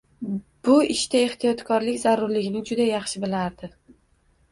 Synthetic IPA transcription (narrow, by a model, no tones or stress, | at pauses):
b̥ʊɪʃt̪ae̞ht̪ʰijɒt̪kʰɒɾlɪkʲzaɾʊɾlɪɡʲɪnɪd͡ʒʊd̪ajɑχʃɪbɪlaɾd̪ɪ